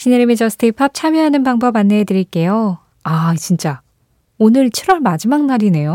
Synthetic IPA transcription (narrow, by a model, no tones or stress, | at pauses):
ɕʰineɾimid͡ʑʌs͈ʰɯ̥tʰipʰap̚t͡ɕʰamjʌɦanɯnbaŋbʌbanːeedɯɾiɭk͈e̞jo | at͡ɕint͡ɕ͈a | onɯɭt͡ɕʰiɾwʌɭmad͡ʑimaŋ̚naɾine̞jo